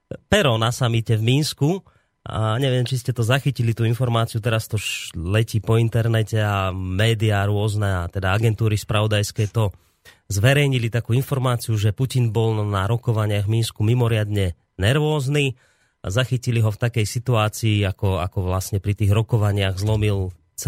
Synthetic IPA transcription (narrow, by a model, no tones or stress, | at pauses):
pɛɾɔnasamicɛvminsku | ɲɛʋɪɛmt͡ʃiscɛt̪ɔzaxicilit̪uːinfɔɾmaːt͡siut̪ɛɾast̪ɔʃlɛciːpɔint̪ɛɾnɛcɛamɛːd̪iaːɾʊɔznɛat̪ɛd̪aaɡɛnt̪uːɾispɾaʋɔd̪ajskɛːt̪ɔ | zʋɛɾɛjɲilit̪akuːinfɔɾmaːt͡sijuʒɛpucinbɔlnaɾɔkɔʋaɲɪaɣvminskumimɔɾɪad̪ɲɛ | nɛɾʋɔːzni | zaxiciliɦɔft̪akɛjsit̪uaːt͡siːakɔa̰kɔʋlasɲɛpɾit̪iːɣɾɔkɔʋaɲɪaɣzlɔmil | t͡s